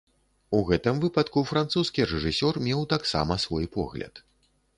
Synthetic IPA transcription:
uɣɛt̪ɨmvɨpɐt̪kufɾant̪suskʲiɾɛʐɨsʲɔrmʲɛwt̪aksa̰mɐsvɔjpɔ̰ɣlʲɐ̰t̪

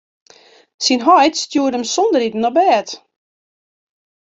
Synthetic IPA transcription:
sinɦɔjtstjuːdəmsɔndəɾitn̩ɔbɛːt

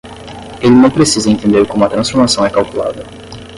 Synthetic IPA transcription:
elɪnɐ̃w̃pɾesizɐẽnt̪ẽnd̪eɾkõmʊɐt̪ɾɐ̃sfoɾmasɐ̃w̃ɛkawkula̰d̪ɐ

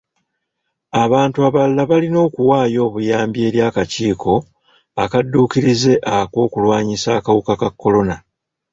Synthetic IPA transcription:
aβaːntuaβalːaβalino̞ːkuwaːjo̞ːβujaːmbje̞ːɾjaːkaciːkʰo̞ | akadːuːkiɾize̞ʔakwo̞ːkulwaːɲisaːkawukakakːo̞lo̞na

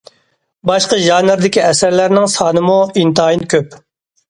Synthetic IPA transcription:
bɑʃqəʒɑːnɪɾd̪ɪkʲiɛsæɾlæɾnɪŋsɑːnɨmuint̪ːjinkʲʰøp

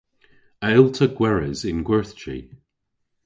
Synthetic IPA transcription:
aɪlˠtʰəɡwɛɹɪzɪ̃nɡwɜθt͡ʃḭ

